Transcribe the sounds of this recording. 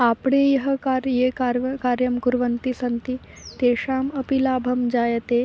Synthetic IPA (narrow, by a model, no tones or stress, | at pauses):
apɳejɐɦəkaɾjekaɾʋkaɾjɐmkuɾʋənt̪isɐnt̪i | t̪eʂaːməpilaːbʱɐmd͡ʒajet̪e